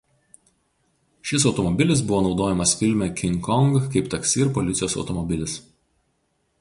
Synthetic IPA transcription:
ʃʲɪs̬ɒʊt̪ɔmɔbʲɪlʲɪs̬bʊʋoːnɒʊd̪oːjɛmɐsfʲɪlʲmʲɛkʲɪŋkɔŋɡkɐɪpt̪ɐksʲɪɾpɔlʲɪt̪sʲjoːsɒ̰ʊt̪ɔmɔbʲɪlʲɪs

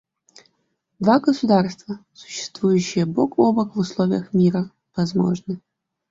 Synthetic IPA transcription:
d̪vaɡəsud̪arst̪vɐsʊ̥ɕːɪ̥st̪vujʊɕːɪjəbokobəkvʊslˠovʲɪjəxmʲiɾɐ | vɐzmo̰ʐnɨ

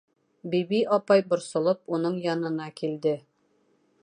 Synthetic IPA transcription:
bibiʔɒpɑjbŏɾsŏlˠɤp̚unɤɴjɒnɤ̆nɑkild̪ɘ

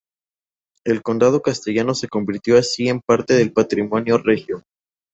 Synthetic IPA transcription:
e̞lko̞nd̪að̞o̞kast̪e̞ʝano̞se̞ko̞mbiɾt̪jo̞asie̞mpaɾt̪e̞ð̞e̞lpat̪ɾimo̞njo̞rexjo

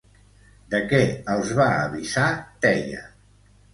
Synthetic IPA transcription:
d̪əkɛəlˠzβaəβizat̪ɛjə̰

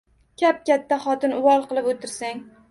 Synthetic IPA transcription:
kʲʰap̚kʲat̪ʰːaχɒt̪ɪnʊwɒlˠqɨlˠɪpot̪ʰɪɾsaŋ

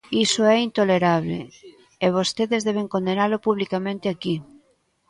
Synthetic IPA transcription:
isoɛint̪oleɾaβ̞lḛː | β̞ost̪eðezðeβ̞eŋkond̪enaɾlopuβlikamẽnt̪eaki

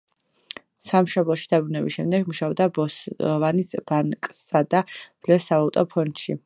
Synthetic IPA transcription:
samʃɔblˠɔʃi̥d̪abɾunɛbisʃɛmd̪ɛɡmuʃaɔb̚d̪abɔsvanisb̥aŋkʼsad̪ab̥lɛsːavalˠt̪ʼɔpʰɔnt̪ʃi

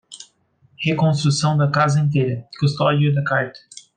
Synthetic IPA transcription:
hekõnst̪ɾusɐ̃w̃d̪ɐkazẽnt̪eɾɐkust̪ɔdjud̪ɐkaɾt̪

